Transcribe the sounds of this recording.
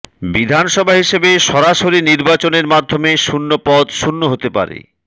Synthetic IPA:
bid̪ʱanʃɔbʱaɦiʃebeʃɔɾaʃoɾiniɾbat͡ɕoneɾmad̪ʱːomeʃunːopɔd̪ʃunːoɦot̪epa̰ɾḛ

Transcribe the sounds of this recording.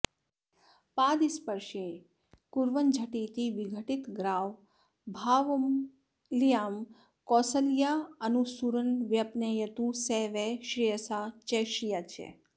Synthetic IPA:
paːd̪ispəɾʃẽ | kuɾʋənd͡ʒʱəʈiːt̪iʋiɡʱəʈit̪ɡɾaːʋ | bʱaːʋm | lijaːm | kɔːsəljaɐnusuɾənʋjɐpnejət̪useːʋeʃɾijəsat͡ʃeʃijat͡ʃʰḛ

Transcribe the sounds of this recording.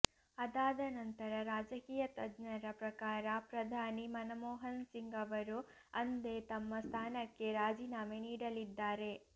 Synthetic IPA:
ɐd̪aːd̪ɐnɐnt̪ɐɾɐɾaːd͡ʒɐkiːjɐt̪ɐd̪nɐɾɐpɾɐkaːɾɐpɾɐd̪ʱaːnimɐnɐmɔːɦɐnsiŋɡɐʋɐɾu | ɐnd̪e̞t̪ɐmːɐst̪ʰaːnɐkːe̞ɾaːd͡ʒiːnaːmeniːɽɐlid̪ːaːɾe̞

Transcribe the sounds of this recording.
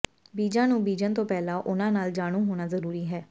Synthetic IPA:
biːd͡ʒãːnũːbiːd͡ʒənt̪õːpɛːlãːʔʊnãːnaːld͡ʒaːɽ̃ũːɦoːɽ̃aːzəɾuːɾiːɦɛː

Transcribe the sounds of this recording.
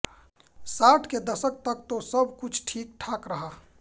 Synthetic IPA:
saːʈʰked̪əsək̚t̪ək̚t̪osəbʱkʊt͡ʃʰʈʰiːk̚ʈʰaːkɾəɦaː

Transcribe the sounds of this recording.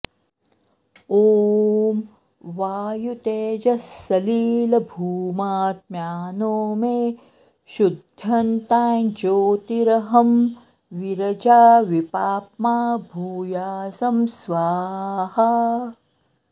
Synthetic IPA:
oːm | ʋaːjut̪eːd͡ʒɐsːɐliːlɐbʱuːmaːt̪̚mjaːnoːme | ʃud̪ʱɐnt̪aːjd͡ʒoːt̪iɾɐɦɐm | ʋiɾɐd͡ʒaːʋipaːpmaːbʱuːjaːsɐmsʋaːhɐ

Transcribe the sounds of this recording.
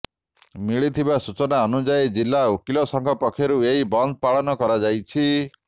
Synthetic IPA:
miɭit̪ʰibasut͡ʃɔnaɔnud͡ʒajd͡ʒilːaokilɔsɔŋkʰɔpɔkʰːjɔɾueibɔnd̪̚ʱɔpaɭɔnɔkɔɾad͡ʒajt͡ʃʰi

